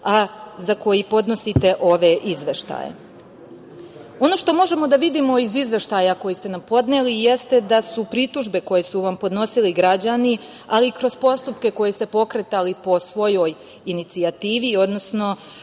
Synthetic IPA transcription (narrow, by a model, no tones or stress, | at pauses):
azako̞jipo̞d̪no̞sit̪e̞ʔo̞ʋe̞ʔizʋe̞ʃt̪a̰ːjḛ | o̞no̞ːʃt̪o̞mo̞ʒe̞mo̞d̪aʋid̪imo̞izizʋe̞ʃt̪ajako̞jist̪e̞nampo̞d̪ne̞lije̞st̪e̞d̪asupɾit̪uʒbe̞ko̞jesuʋampo̞d̪no̞siliɡɾad͡ʑani | alikɾo̞spo̞st̪upke̞ko̞jest̪e̞po̞kɾe̞t̪alipo̞sʋo̞jo̞j | init̪siat̪iːʋio̞d̪no̞sno̞